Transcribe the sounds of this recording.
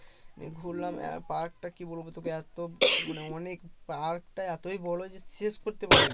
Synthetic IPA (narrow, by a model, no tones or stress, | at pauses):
mḛɡʱulːamɛ̰paɾk̚ʈakibolbot̪okeɛt̪omaneɔnekpaɾkʈaɛt̪ojbɔlod͡ʑeseskoɾt̪epaɾe